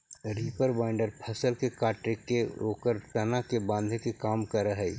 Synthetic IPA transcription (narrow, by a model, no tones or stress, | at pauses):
ɾiːpəɾbaːɪɳɖəɾpʰəsəlkekaːʈɾɪkːeoːkəɾt̪ɐnakebãːnd̪ʱkekaːmkəɾəɦɛ